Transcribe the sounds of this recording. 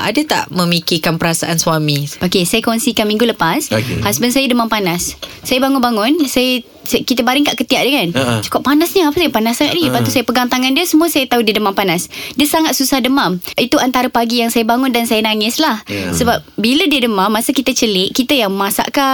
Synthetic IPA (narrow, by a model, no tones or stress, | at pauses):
a̰dat̪a̰ʔmə̃mikikanpəɾasaʔanswamiʔokesajakɔnsikanmĩŋɡuləpashasbənsajədəmampanasːajəbaŋʊnbaŋʊnsajə | skit̪əbaɾɪŋkaʔkət̪iaʔ̚dəŋant͡ʃu̥kʊʔpanasɲəapaəpanasaŋa̰t̪ʔ̚dipat̪usajapəɡant̪aŋandiəsəmuəsajət̪audiədəmampanasdiəsaŋat̪̚susahdəmãmit̪uant̪aɾəpaɡijaŋsajabaŋʊndansajənaŋɪslahsəbap̚bilədiədəmãmːasəkit̪at͡ʃəlɪʔkit̪ajaŋmasa̰ʔka